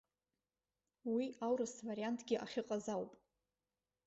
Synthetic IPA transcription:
wiawɾɨsvaɾiantʰʼɡʲɪʔa̰χʲɪqʼazawpʼ

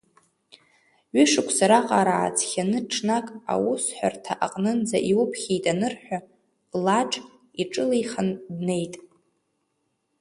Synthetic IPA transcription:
ɥʏʂɨkʷʰsaɾaqʼaɾa̰ːt͡sʰʼχʲanɨʈ͡ʂʰnakʼa̰wusħʷᶣartʰaʔaqʼnɨnd͡za̰ʔiwʊpʰχʲijtʼanɨrħʷᶣa | laʈ͡ʂʰʼ | iʈ͡ʂʼɨlejχandne̞jtʼ

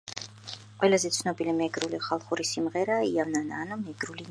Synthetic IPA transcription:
qʼwɛlazɛt̪sʰnɔbilimɛɡɾuliχalˠχuɾisimʁɛɾaːiavnanaːnɔmɛɡɾulin

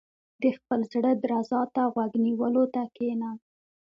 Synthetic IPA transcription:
d̪əxpəlzɽəd̪ɾazɑt̪aɣwaɡniwəlot̪akena

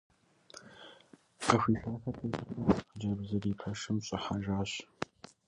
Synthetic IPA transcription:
qəxʷiːɬaːxɐteːɕɐd͡ʒɐbzɐriːpʰɐʂɨmɕʼɪħaʒaːɕ

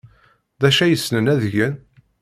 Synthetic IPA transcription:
ðæʃæjəsnənæðʝən

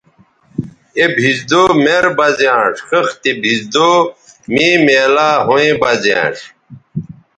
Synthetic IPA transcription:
ebʱizd̪oːmeɾbɐzjãːʂxəxt̪ibʱizd̪oːmiːmeːlaːɦõẽbɐzã̰ːʂ

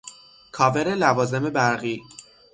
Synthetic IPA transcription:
kʰɒːve̞ɾe̞lævɒːzeme̞bæɾɣiː

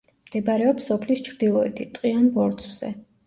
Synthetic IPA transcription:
md̪̥ɛbaɾɛɔpsɔpʰlist͡ʃʰɾd̪ilˠɔɛt̪ʰit̪ʼqʼianbɔɾt̪sʰʼz̥ɛ̰

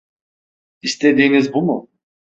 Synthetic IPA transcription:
ist̪ʰe̞d̪iːnizbumʊ

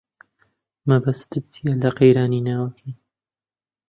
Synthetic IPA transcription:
mɐbɐst̪ɨt͡sʰijalɐqejɾaːninaːwɐkʰi

